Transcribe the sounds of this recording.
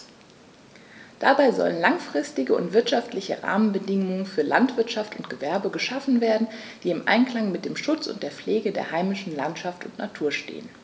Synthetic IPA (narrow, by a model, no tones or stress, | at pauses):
d̥abaɪzɔ̰lənlaŋfʁ̥ɪstɪɡəʊ̰ntv̥ɪɐtʃaftlɪçə̰ʁa̰ːmənbədɪŋʊŋənfyːɐla̰ntv̥ɪɐtʃaftʊntɡ̥əvɛɐbəɡəʃafn̩veːɐdn̩d̥iːɪmʔa̰ɪnkl̥aŋmɪt̚d̥eːmʃʊt͡sʊ̰nt̚d̥eːɐp͡fleːɡədḛːɐhaɪmɪʃn̩lantʃaftʊntnatʰuːɐʃtḛːən